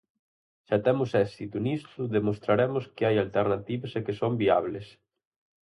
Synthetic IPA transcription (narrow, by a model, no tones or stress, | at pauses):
ʃat̪ɛmʊsɛsit̪unist̪ʊðemost̪ɾaɾɛmʊskeajalt̪eɾnat̪iβesekesombia̰β̞les